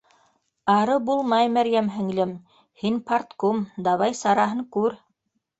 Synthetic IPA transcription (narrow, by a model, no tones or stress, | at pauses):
ɑɾɤbulˠmɑjmæɾjæmɦɘ̆ŋlɘm | hinpaɾt̪komd̪ɑβɑjsɑɾɑɦɤŋkʉɾ